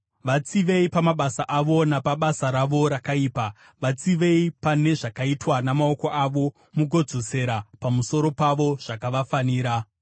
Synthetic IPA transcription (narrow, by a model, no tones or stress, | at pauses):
ʋat͡siʋe̞ipamaɓasaʔaʋo̞napaɓasaɾaʋo̞ɾakaiːpa | ʋat͡siʋe̞ipane̞ʐakaitwanamao̞ko̞ʔaʋo̞ | muɡʱo̞d͡zose̞ɾapamuso̞ɾo̞paʋoʐ̥akaʋafaniːɾa